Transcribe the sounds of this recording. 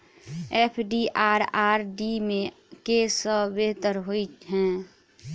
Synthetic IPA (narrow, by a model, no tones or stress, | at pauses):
eːpʰɖiʔaːɾaːɾɖimẽ | kesəbeɦt̪əɾɦoiɦɛ̃ː